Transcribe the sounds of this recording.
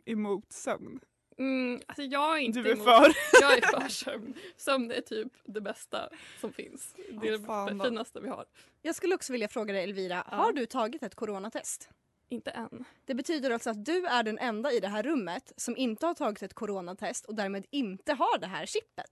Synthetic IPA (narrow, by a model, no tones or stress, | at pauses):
ʔɛmuːt̪sœ̰mn | m̩asɔjɑːɡɾɪnd̪ɵɛfœːɾjɑːɛfœːʂœmnsœmnæ̰ʈʰyːpd̪ɛbɛst̪a̰sɔmfɪ̰nsd̪ɛɛfiːnast̪əvɪha̰ɾ | jɑːɡskɵlːəɔksɔvɪljafɾoːɡad̪ɛjɛlviːɾa̰haɖɵt̪ʰɑːɡɪt̪ɛt̪kʰʊɾoːnat̪ʰɛst̪ | ɪnt̪əʔɛnd̪̥ɛbɛt̪ʰyːd̪əɾaltsɔat̪̚d̪ɵæɖɛnʔɛnd̪aɪd̪ɛɦæːɾːɵmːət̪sɔmʔɪnt̪əhaʈʰɑːɡɪt̪ɛt̪̚kʰʊɾoːnat̪ʰɛst̪ɔd̪æːɾmeːd̪ɪnt̪əɦaɖɛɦæ̰ːɾɕɪpːə̰t̪